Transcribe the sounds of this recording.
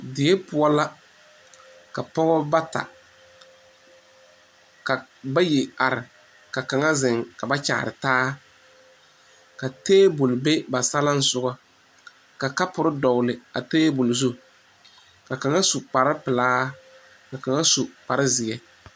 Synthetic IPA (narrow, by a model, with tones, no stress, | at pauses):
dɪ˨e˦pʊ˦ɔ˦la˦ | ka˨pɔ˦ɣɔ˦ba˦ta̰˨ | ka˨ba˦ji˨a˨ɾɪ˨ | ka˨ka˨ŋa˦zɪ˨ŋka˨ba˦t͡ʃa̰ː˨ɾɪ˨taː˦ | ka˨teː˦bʊ˨lbe˦ba˨sa˦la˦n̩˦sʊ˦ɡɔ˦ | ka˨ka˦pʊ˨ɾɪ˦dɔ˨ʊ˨lɪ˨a˨teː˦bʊ˨lzu˦ | ka˨ka˨ŋa˦su˨k͡pa˨ɾɪ˦pɪ˨laː˦ | ka˨ka˨ŋa˦su˨k͡pa˨ɾɪ˦zɪ˨ɛ˦